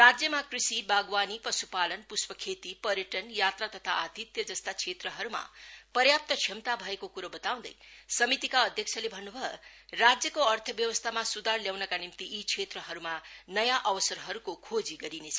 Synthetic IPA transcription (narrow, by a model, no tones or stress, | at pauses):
rad͡zjʌmakrisibaɡwanipʌsupalʌnpuspʌkʰet̪ipʌɾjʌʈʌnjat̪rat̪ʌt̪ʰaat̪it̪jʌd͡zʌst̪at͡sʰet̪rʌɦʌɾuma̰pʌɾjap̚t̪ʌt͡sʰjʌmt̪abʱʌekokuɾobʌt̪aw̃d̪ʌ̰jsʌmit̪ikaʌd̪ʱjʌk̚t͡sʰʌlebʱʌnːubʱʌerad͡zjʌkoʌrt̪ʰʌbjʌwʌst̪ʰamasud̪arljawnʌkanimt̪iʔːt͡sʰet̪rʌɦʌɾumanʌjaʔʌwʌsʌɾɦʌɾukokʰod͡ziɡʌɾinet͡sʰʌ